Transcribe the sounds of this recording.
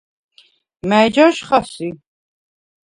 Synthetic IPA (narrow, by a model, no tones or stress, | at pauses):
mɛd͡ʒaʃχasi